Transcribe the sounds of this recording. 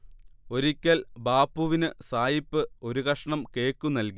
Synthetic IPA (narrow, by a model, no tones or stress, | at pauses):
o̞ɾikʲːɐlbaːpːuʋinɨsaːjipːɨo̞ɾuɣɐʂɐɳɐmke̞ːkːunːɐlki